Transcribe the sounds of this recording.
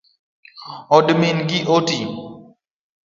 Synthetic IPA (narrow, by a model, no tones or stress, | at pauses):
ɔdminɡiʔoti